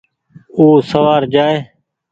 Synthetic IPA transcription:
uːsəʋaːɾd͡ʒaːeː

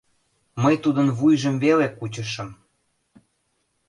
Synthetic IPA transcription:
məjt̪ud̪ənβujʒəmvelekut͡ɕə̆ʃə̆m

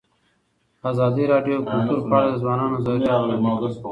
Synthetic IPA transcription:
aːzɑːd̪iɾɑːɖjokʊlt̪uɾpaɽed̪əzwɑːnɑːnozaɾu

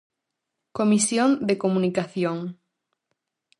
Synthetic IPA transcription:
komisjond̪ekomũnikaθjoŋ

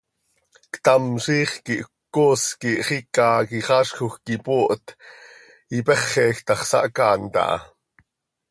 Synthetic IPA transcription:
kt̪ɑmʃiːχkiʔkːoːskiʔχikɑkiχɑːʃxoxkipoːʔt̪ | ipɛχːɛːxt̪ɑχsɑ̰ʔkɑːnt̪ɑ̰ʔɑ̰

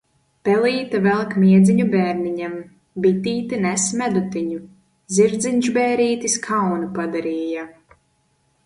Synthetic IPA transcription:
pɛlˠiːt̪avɛlˠkmʲiɛd̪zʲiɲubɛːɾniɲɛm | bit̪iːt̪inɛsmʲæd̪ut̪iɲu | ziɾd̪ziɲʒbɛːɾiːt̪iskʰawnupad̪aɾiːja

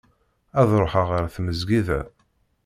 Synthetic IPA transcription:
æðɾˤoħaʁəɾθməzɡiðæ̰

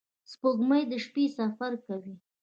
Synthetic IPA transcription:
spoɡməjd̪əʃpesafaɾkawi

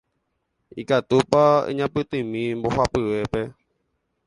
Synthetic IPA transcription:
ikat̪upaḛɲãpɨt̪ɨ̃mĩmbo̞hapɨʋe̞pe̞

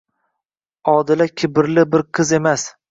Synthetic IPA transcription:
ɒd̪ɪlakʲʰɪbɪɾlɪbɪɾqʰɨze̞mas

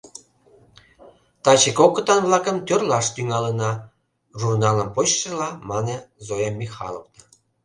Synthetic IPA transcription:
t̪ɑt͡ɕekokət̪ɑnβlɑkəmt̪ørlɑʃt̪yŋɑlenɑ | ʒurnɑləmpot͡ɕʃelɑmɑnezojɑmʲːixɑ̰lˠo̰fnə

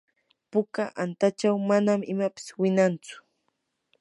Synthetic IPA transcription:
pʊkaʔant̪at͡ʃawmanamɪmapɪ̥swɪnant͡sʊ̥

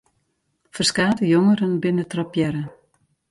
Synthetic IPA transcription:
fərskaːdəjoŋəɾənbɪnətrɔpjɛɾə

